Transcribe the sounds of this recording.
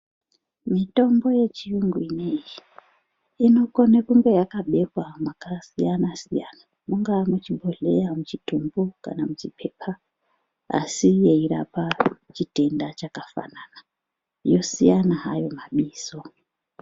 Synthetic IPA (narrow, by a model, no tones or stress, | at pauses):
mito̞mbo̞je̞t͡ʃijuŋɡuineji | ino̞ko̞nekuŋɡe̞jakaɓe̞kwamakasijanasija̰na | muŋɡamut͡ʃibʱoɮe̞̰jamut͡ʃitumbuka̰namut͡ʃipʰe̞ːpʰa | a̰sijeiɾa̰pat͡ʃite̞ndat͡ʃakafa̰nana | jo̞sḭjanaɦajo̞maɓiːso̞